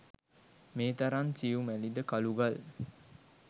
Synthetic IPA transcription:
meːt̪aɾansiumælid̪əkaluɡal

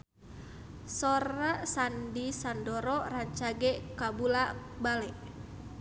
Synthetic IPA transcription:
sɔɾasandisandɔɾɔraɲt͡ʃaɡɛkabulabalɛʔ

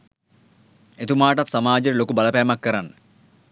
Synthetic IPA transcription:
et̪umaːʈɐt̪sɐmaːd͡ʒɐɾilokubɐlɐpæːmɐkːɐɾanːə

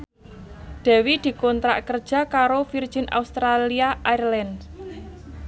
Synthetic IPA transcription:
d̪̥ɛ̤wid̪̥i̤kɔnt̪ɾa̰ʔkər̥ʒ̥ä̤kaɾofir̥ʒ̥i̤nʔa̰ust̪ɾaliaʔairlɛn

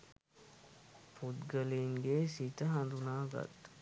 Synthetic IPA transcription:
pʰut̪ɡəliŋɡeːsit̪əɦɐnd̪unaːɡɐ̰t̪

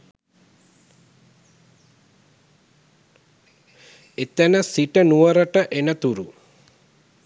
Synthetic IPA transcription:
et̪ənəsiʈənuʋəɾəʈəʔenət̪uɾu

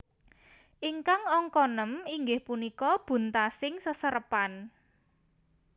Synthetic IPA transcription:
ʔiŋkaŋɔŋkɔnəmiŋɡɪhpunikɔb̥ṳnt̪asɪŋsəsəɾəpan

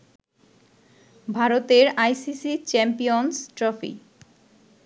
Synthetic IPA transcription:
bʱaɾot̪eɾajsisit͡ɕɛmpionsʈɾɔfḭ

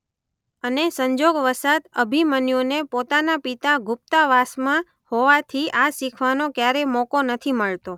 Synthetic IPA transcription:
ənesəɲd͡ʒoɡʋəsat̪əbʱimənjonepot̪anapit̪aɡʊp̚t̪aʋasmã | hoʋat̪ʰiʔasikʰʋanokjaɾemɔkonət̪ʰiməɭt̪o

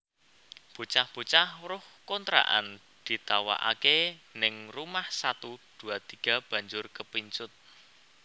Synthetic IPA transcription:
b̥ut͡ʃahb̥ut͡ʃahɾʊhkont̪ɾa̰ʔa̰n | d̪̥i̤t̪awa̰ʔa̰kenɪŋrumahsat̪ud̪̥ṳat̪iɡ̥a̤b̥ä̤ɲd͡ʒʊrkəpiɲt͡ʃʊt̪̚

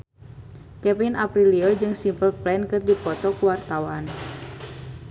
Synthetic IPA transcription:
kɛpinʔapɾiliod͡ʒɨŋsimpəlplɛnkɨrdipɔt̪ɔkuwart̪awan

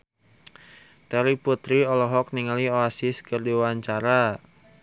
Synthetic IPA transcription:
t̪ɛɾiput̪ɾiɔlɔɦɔk̚niŋalioasɪskərdiwaɲt͡ʃaɾa

